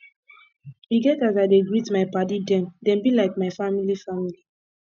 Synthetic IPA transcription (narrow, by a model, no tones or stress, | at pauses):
iɡɛtazaɪdeɡɹitmaɪpadidɛ̃mdɛ̃nbilaɪk̚maɪfamilifamili